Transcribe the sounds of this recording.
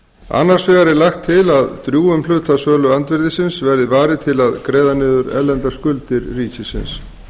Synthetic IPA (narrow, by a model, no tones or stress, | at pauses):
a̰nːaɾ̥svɛɣaɾɪlaxt̪ʰːɪlaðt̪ɾjuːʏmlʏt̪asœːlʏant̪vɛɾðɪsɪnsvɛɾðɪvaːɾɪt̪ʰɪlaðkɾeːjðanɪːðʏɾɛ̰lːɛnt̪askʏlt̪ɪɾːiːcɪsɪ̰ns